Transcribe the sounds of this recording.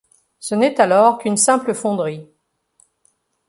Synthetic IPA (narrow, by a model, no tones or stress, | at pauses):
sənɛt̪alɔʁkynsɛ̃pləfɔ̃d̪ʁi